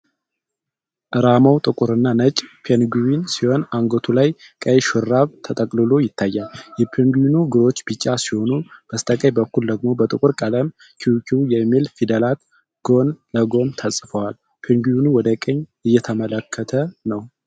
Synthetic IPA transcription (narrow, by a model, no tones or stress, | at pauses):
ʔɨɾamawt̪ʼɨkʼuɾɨnːanət͡ʃʼpʰenɡuwinsiho̞naŋɡot̪ʰulajkʼəjʃɨɾːaβt̪ʰət̪ʼəkʼlɨlo̞jɪt̪ʰːajːaljɛpʰeŋɡuinuɡɨɾo̞t͡ʃːbɨt͡ʃʼːasiho̞nub̥əst̪ʼəkʼəjbəkːuld̪əɡ̚mo̞bət̪ʼɨkʼʊɾkʼələm | kʰiwkʰijɛmːilfid̪əlat̪ | ɡ̥o̞nləɡo̞nt̪ʰasʼfəwal | pʰeŋɡuwinuwɔd̪əkʼəɲːɨjːɛt̪ʰəmələkʰːət̪ʰənəw